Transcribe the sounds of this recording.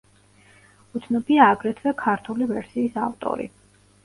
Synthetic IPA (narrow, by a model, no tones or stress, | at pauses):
ut̪sʰnɔbiaːɡɾɛt̪ʰvɛkʰaɾt̪ʰulivɛɾsiːsa̰ft̪ʼɔ̰ɾḭ